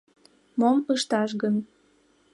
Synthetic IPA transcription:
moməʃt̪ɑʃ̬ɣən

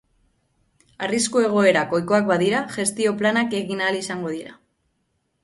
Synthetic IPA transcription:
ariskue̞ɣ̞o̞e̞ɾako̞jko̞akbaðiɾaʝe̞st̪io̞planake̞ɣinalisaŋɡo̞ð̞iɾa

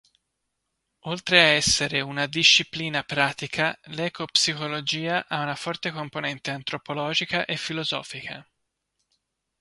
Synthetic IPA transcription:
olt̪ɾeaɛsːeɾeunad̪iʃːipliːnapɾaːt̪ikʰalɛːkopsikolod͡ʒiːaʔaunafɔrt̪ekomponɛnt̪eant̪ɾopolɔːd͡ʒikaʔefːilozɔ̰ːfikʰa̰

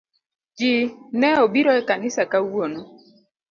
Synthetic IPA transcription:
d͡ʒinɛobiɾɔɛkanɪsakauonɔ

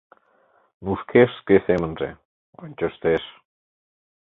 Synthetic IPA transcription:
nuʃkʰeʃskesemənrḛ | onʲt͡ɕəʃt̪eʃ

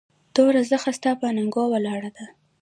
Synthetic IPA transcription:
t̪oɾazəxast̪ɑpanaŋɡɑwalɑɽad̪a

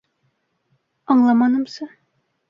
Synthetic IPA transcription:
ɒɴlˠɑmɑnɤmsɤ

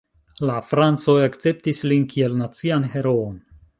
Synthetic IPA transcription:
lafɾant͡so̞jakt͡se̞p̚tislinkʰie̞lnat͡sianɦe̞ɾoon

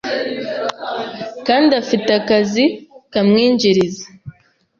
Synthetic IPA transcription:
kaːndiafitakazikamŋiːɲɟiɾizḁ

